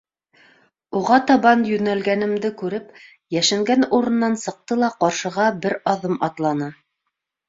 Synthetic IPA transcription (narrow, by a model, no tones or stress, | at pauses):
uʁɑt̪ɑβɑnjɵ̆nælɡænɘ̆md̪ɘkʉɾɘp | jæʃɘŋɡænuɾɤ̆nːɑnsɤ̆q̚t̪ɤlˠɑqɑɾʃɤ̆ʁɑbɘɾɑðɤmʔɑt̪lˠɑnɤ